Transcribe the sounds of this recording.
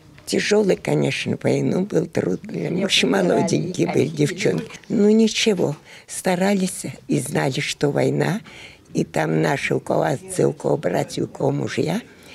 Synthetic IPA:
tʲɪʐolˠɨjkɐnʲeʂnəvɐjnubɨlˠt̪rut̪̚d̪lʲa̰mʊɕɪmɐlˠodʲɪɡʲebɨlʲɪdʲɪft͡ɕo̰nkʲɪnunʲɪt͡ɕɪvo̰st̪ɐɾalʲɪsʲiznalʲɪʂt̪ovɐjna | it̪amnaʂɨʊkɐ̰vast̪sɨ̰ʊkovobratʲjʊkɐvomʊ̰ʐja

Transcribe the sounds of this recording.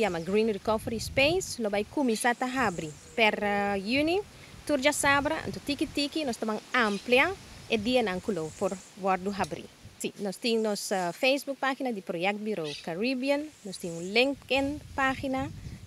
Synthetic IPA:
jamɐɡɾinɾikofɾispejslobajkumisat̪aɦabɾi | pɛɾjuni | t̪uɾd͡ʒasabɾɐɐ̰̃nt̪ut̪ikit̪ikinɔst̪ɐmaŋampljaed̪iɐnaŋkulowpoɾwɔɾd̪uɦabɾḭsinɔst̪iŋnɔsafejsbuk̚paxinɐd̪ipɾojɛk̚t̪̚biɾowkaɾibjɐnːɔst̪iŋũnliŋkenpaxinɐ

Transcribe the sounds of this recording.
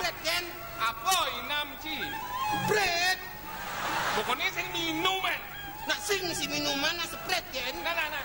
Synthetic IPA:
pɾɛt̪̚jɛn | apɔinamt͡ʃibɾɛt̪̚ | bɔkɔnɛsɪŋminumɛn | naʔsɪŋsiminumanːasəpɾɛt̪̚jɛn

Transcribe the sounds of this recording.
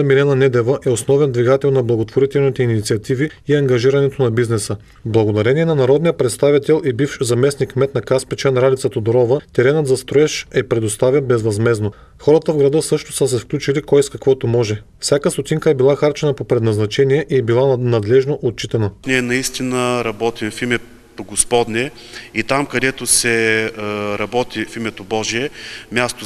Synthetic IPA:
milʲɛnɐnɛd̪ɛvəʔɛosnɔvɛnd̪viɡat̪ɛlˠnɐblˠɐɡot̪voɾit̪ɛlˠnit̪ɛinit̪siɐt̪ivi | iɐŋɡɐʒiɾɐnɛt̪onɐbiznɛsə | blˠɐɡod̪ɐɾɛniɛnɐnɐɾɔd̪nijəpɾɛt̪st̪avit̪ɛlˠʔibifʃzɐmɛsnikmɛt̪nɐkaspɛt͡ʃɛnɾalʲit̪sət̪od̪oɾɔvət̪ɛɾɛnət̪zɐst̪ɾoɛʃɛpɾɛd̪ost̪avʲɛbɛzvɐzmɛzno | xɔɾət̪əvɡɾɐd̪ɤsɤʃt̪o̥səs̬ɛfklʲut͡ʃilikɔjskɐkvɔt̪omɔʒɛ | fsʲjakəst̪ot̪ʲiŋkəɛbilˠaxaɾt͡ʃɛnɐpopɾɛd̪nɐznɐt͡ʃɛnijɛʔiɛbilˠanɐd̪lɛʒnoʔot̪̚t͡ʃit̪ɛnəniɛnɐist̪inəɾɐbɔt̪imfimɛ | poɡospɔd̪nʲɛ | it̪amkɐd̪ɛt̪osɛ | ɾɐbɔt̪ʲifimɛt̪obɔʒiɛmʲjast̪o

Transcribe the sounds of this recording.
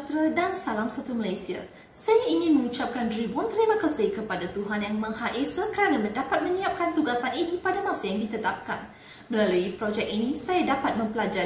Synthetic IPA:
t̪ɾədansalamsat̪uməlajsia̰ | sajaiŋɪnmə̃ŋut͡ʃap̚kandɾibɔnt̪əɾimakəsekəpadat̪uɦanjaŋmə̃ŋhaʔesəkəɾanamdapat̪̚mə̃ɲiap̚kant̪uɡasaninipadamãsajaŋdit̪ət̪ap̚ka̰n | məlaluipɾɔd͡ʒɛk̚inĩsajadapat̪̚mə̃mpəlad͡ʒa

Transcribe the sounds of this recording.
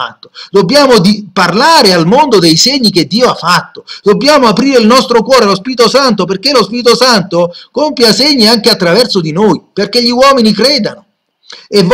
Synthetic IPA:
at̪ːo̥d̪obːjaːmod̪iparlaːɾealmond̪od̪ejseɲːik̟ed̪ːiːoafːat̪ːod̪̥obːjaːmoapɾiːɾeilnɔst̪ɾokwɔːɾealospiːɾit̪osant̪̬op̬erk̟elospiːɾit̪osant̪okompjaseɲːiaŋkeat̪ːɾavɛrsod̪inoːjperk̟eʎːiwɔːminikɾɛːd̪anʊ | ev

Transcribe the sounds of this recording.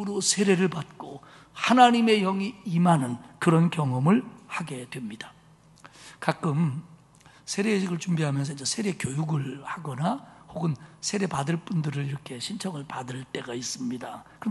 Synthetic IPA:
ɾosʰe̞ɾeɾɯɭpat̚k͈o | hanaɲime̞jʌŋiːmanɯnkɯɾʌnkjʌŋʌmɯɭhaɡe̞dwemɲidḁ | kak͈ɯm | sʰe̞ɾeɕʰiɡɯɭt͡ɕumbiɦamjʌns̬ʰʌind͡ʑesʰe̞ɾe̞kjojuɡɯɭhaɡʌnahoɡɯnsʰe̞ɾe̞padɯɭp͈undɯɾɯɭiɾʌkʰe̞ɕʰint͡ɕʰʌŋɯɭpadɯɭt͈e̞ɡais͈ɯmɲidakɯʌ

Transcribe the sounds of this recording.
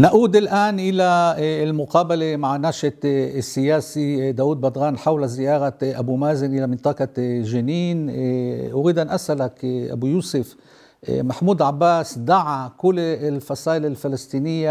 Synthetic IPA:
naʔuːd̪ɪlʔaːnʔɪlalmʊqɑːbalemaʕnaːʃasːɪjaːsid̪aːwuːd̪̚bɑd̪ˤɣɑːnħawlazɪjɑːɾaʔabumaːzɪnʔɪlamɪnt̪ˤɑːqɑʒɪniːnʔʊɾiːd̪ʔanʔasʔalakʔa̰bujuːsɪf | maħmuːd̪ʕabːaːsd̪aʕakʊlːɪlfɑsˤɑːʔɪlɪlfɪlɪst̪ˤiːnɪjːa

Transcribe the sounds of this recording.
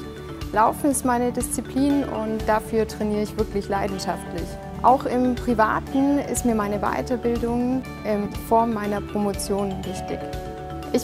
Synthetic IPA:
laʊfn̩ɪstmaɪnədɪst͡sipʰliːnʊ̰ntd̥afyːɐtʁ̥ɛniːəɪçv̥ɪɐklɪçlaɪdn̩ʃaftlɪç | ʔa̰ʊxɪmpʁ̥iva̰ːtn̩ɪ̰stmiːɐmaɪnəva̰ɪtɐbɪldʊŋ | ʔɪnfɔɐmmːaɪnɐpʁ̥omot͡sjoːnɡ̥əʃtḛːt | ʔɪç

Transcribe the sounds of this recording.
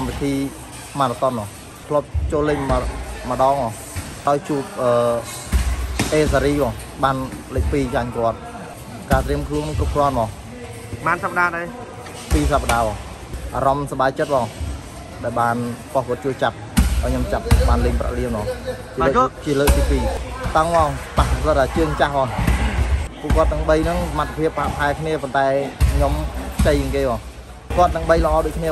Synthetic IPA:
kampit̪ʰiː | maːtat̪onmɔːŋ | t̪ʰlŏəp̚t͡ɕoːlɨŋmə̆ɗɑːŋmɔːŋ | ɗaɔjt͡ɕuːp̚ʔəː | ʔeːsaɾiːmɔːŋ | ɓaːnlɨk̚piːt͡ɕaɲkŏət̪̚ | kaːt̪riəmkʰluənŋkrup̚krŏənmɔːŋ | ɓaːnsap̚ːɗaːɗa | piːsapːəɗaːɓɔː | ʔaːɾɑmsaɓaːjt͡ɕət̪̚mɔːŋ | ɗaɛlɓaːnpohkɔ̆ət̪̚t͡ɕuəjt͡ɕap̚aɔjɲomt͡ɕap̚ɓaːnleːŋpra̰ʔliənmɔːŋt͡ɕiəːt͡ɕiələːk̚t̪iːpiːt̪aŋmɔŋpahʰlət̪̚aːt͡ɕɨəŋt͡ɕahɓɔː | pṵ̆əʔkŏət̪ːɛəŋɓəjnɨŋsamat̪ʰːḁpʰiəpːaːpɦaɛkʰniəpont̪aɛɲomkʰt͡ɕəjəŋkeːɓɔː | ukŏət̪ːəŋɓəjləʔɑːɗoːc̚kʰniə

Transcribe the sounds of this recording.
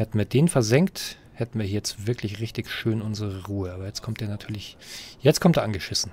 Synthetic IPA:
hɛtn̩viːɐdeːnfɛɐzɛŋkt | hɛtn̩viːɐhiːɐjɛt͡stv̥ɪɐklɪçʁɪçtɪçʃøːnʔʊnzəʁəʁuːəaːbɐjɛt͡stkʰɔmtd̥eːɐnatʰyːɐlɪçjɛt͡stkʰɔmtdeːɐʔanɡəʃɪsn̩

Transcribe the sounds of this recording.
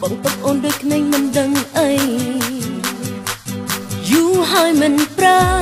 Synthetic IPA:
ɓo̰ʔŋt̪əp̚ʔoːnɗoːc̚kʰneːŋmɨnɗəŋʔə | juːɦaəjmɨnpɾaː

